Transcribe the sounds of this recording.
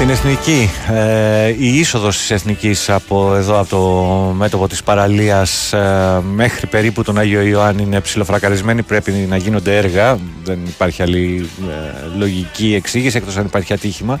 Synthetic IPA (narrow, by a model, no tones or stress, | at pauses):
t̪ine̞θnicieiiso̞ðo̞st̪i̥se̞θnicisɐpo̞e̞ðo̞ɐpot̪ome̞t̪o̞po̞t̪i̥spɐɾɐliɐs | me̞xɾipe̞ɾiput̪o̞nɐʝoioɐnine̞psilo̞fɾɐkɐɾizme̞nipɾe̞pinɐʝino̞nd̪eeɾɣɐðe̞nipɐɾçiɐli | lo̞ʝicie̞ksiʝisiekt̪o̞sɐnipɐɾçiɐt̪içimɐ